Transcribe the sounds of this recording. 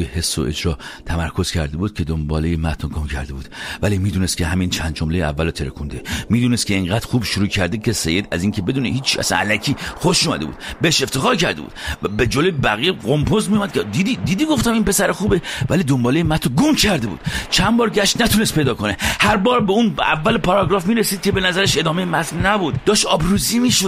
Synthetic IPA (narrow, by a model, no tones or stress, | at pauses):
jehe̞sːo̰ʔed͡ʒɾɒːt̪ʰæmæɾkʰo̞z̥cʰæɾd̪ebuːd̪̥̚kʲʰe̞d̪ombɒ̰ːlejemæt̪ʰnoɡomcʰæ̰ɾd̪e̞buːd̪vælimiːd̪uːnest̪kcʰeɦæmint͡ʃʰænd̪d͡ʒomlejeæ̰vːælot̪ʰe̞ɾḛkʰund̪emiːd̪uːnest̪̚cʰe̞iŋɢæːd̪̥ɾxuːbʃuɾuːcʰæɾd̪ekʲʰese̞̰jːe̞d̪æziŋkʰebe̞d̪uːnḛɦiːt͡ʃʰːiæ̰sæ̰næ̰lækʰiːxoʃumæ̰d̪ebṵd̪̥beheʃe̞ft̪ʰe̞xɒːɾcæɾd̪ebṵd̪be̞d͡ʒoloebæɣieɣompʰozmijumæd̪̚ʰed̪id̪id̪iːd̪iːɡoft̪æmiːnpe̞sæɾexuːbevælid̪ombɒːlejemæt̪ʰɾoɡomcʰæɾd̪e̞bṵːd̪̥t͡ʃʰænbɒːɾɟæʃt̪næt̪ʰunest̪pʰe̞jd̪ɒːko̞nehæɾbɒːɾbe̞unæ̰vːælepʰɒɾɒɡɾɒːfmiːɾesiːd̪̚kʲʰe̞be̞næzæɾeʃe̞d̪ɒːme̞jemæt̪ʰnæbuːd̪d̪ɒːʃɒːbɾuziːmiːʃo